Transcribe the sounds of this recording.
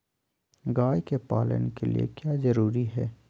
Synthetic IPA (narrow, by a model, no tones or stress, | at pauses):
ɡaːjkepaːlə̰nkelḭḛkjaːzɐɾuːɾiɦɛː